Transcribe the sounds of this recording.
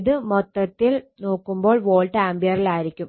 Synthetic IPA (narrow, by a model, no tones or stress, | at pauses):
ðɨmɔt̪ːɐt̪ːilno̞ːkːumbo̞ːɭʋoːɭʈaːmbijɐrilaːjiɾikʲːum